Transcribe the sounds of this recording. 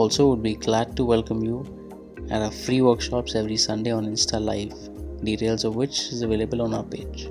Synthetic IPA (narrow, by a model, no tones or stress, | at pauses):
ɔːlsoːʋʊɖ̚biɡlæɖ̚ʈuʋɛlkə̃mju | æɾəfɾiːʋəɾkʃɔːpsɛʋɾisʌ̃nɖeːɔ̃ːnɪ̃nsʈʰalaɪʋ | ɖiːʈeːlzɔʋʋɪt͡ʃɪzəʋeːləbəlɔ̃ːna̰ʊəpeːd͡ʒ